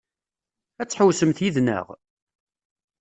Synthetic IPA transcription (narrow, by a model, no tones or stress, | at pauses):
æt͡sːħəwsəmθjiðnə̰ʁ